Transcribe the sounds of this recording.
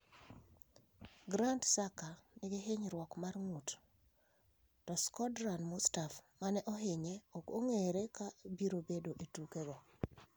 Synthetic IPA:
ɡɾantsakanɪɡeɦeɲɾwɔkmarŋut | tɔskɔdɾanmustafmanɛʔɔɦɪɲeokoŋeɾekabiɾobedoʔetukeɡɔ

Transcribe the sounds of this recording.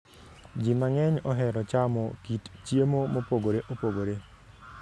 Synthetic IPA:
d͡ʒimaŋɛɲɔɦɛɾɔt͡ʃamɔkitt͡ʃjemomopoɡoɾeʔopoɡoɾe

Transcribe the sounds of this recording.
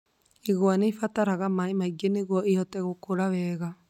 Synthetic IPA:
eɣwanefataɾaɣamaemaiɡeneɣwɔeɔtɛɣokoɾaβɛːɣa

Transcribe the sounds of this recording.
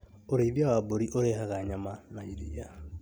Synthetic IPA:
oɾeβjawaboɾiʔoɾehaɣaɲamanaiɾia

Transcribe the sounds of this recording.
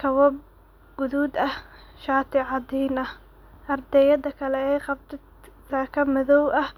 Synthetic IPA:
kʰɐwɐb̚ | ɡ̥ʊðuːd̪ɐhʃaːt̪ʰɪʕɑd̪iːnɐh | ʔɐrd̪ɛjɐd̪ɐkʰɐlɛɛjqɑb̚t̪ʰɛ | saːkʰɐmɐðɔwʔɐh

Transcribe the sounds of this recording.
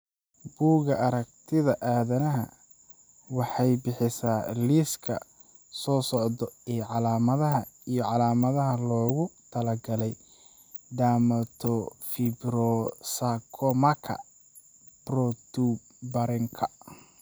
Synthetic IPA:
b̥uːɣɐʔɐɾɐk̚t̪ʰɪðɐʔaːðɐnɐɦɐ̰ | wɑħɑjbɪħɪsaːliskʰɐ̰ | sɔːsɔʕd̪ɔɛːʕɑlaːmɐðɐɦɐ | ijɔʕɑlaːmɐðɐɦɐlɔːɣʊt̪ʰɐlɐɡɐlɛj | ɖ̪aːmɐt̪ʰɔfibɾɔsakʰɔmɐkʰɐ̰ | b̥rɔt̪ʰu | bɐɾɪŋkʰɐ̥

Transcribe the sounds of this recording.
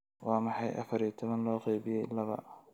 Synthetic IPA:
wɑːmɑħɑjʔɐ̰fɐɾjit̪ʰɔβɐnlɔːqejβɪjɛjlɐβɐ̰

